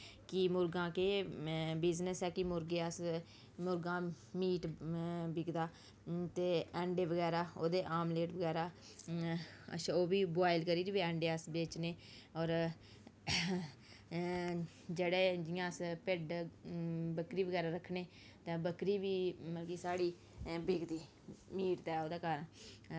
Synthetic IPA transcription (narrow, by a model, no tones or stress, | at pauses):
kɪmʊɾɡãːkeːbɪznəsɛːkɪmʊɾɡeːəs | mʊɾɡãː | miːʈbɪɡd̪aː | t̪eːɛ̃ːɳɖeːʋəɡɛːɾaːoːd̪eːʔaːmleːʈʋəɡɛːɾaː | ə̰ʃoːbiːboaːɪlkəɾiːɾiʋiːɛ̃ːɳɖeːəsbeːt͡ʃneː | ɔːɾ | d͡ʒeːɽeːd͡ʒɪjãːəspɪɖ | bəkɾiːʋəɡɛːɾaːɾəkʰɳeː | t̪ãːbəkɾiːʋiːməlɡiːsaːɽiː | bɪɡd̪iː | miːʈt̪ɛːoːd̪aːkəɾən